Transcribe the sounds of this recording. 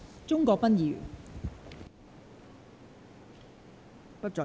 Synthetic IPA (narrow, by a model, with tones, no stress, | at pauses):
t͡sʊ˥ŋkɔː˧k̚pɐ˥njiː˨˩w | pɐ˥t̚t͡sɔ˨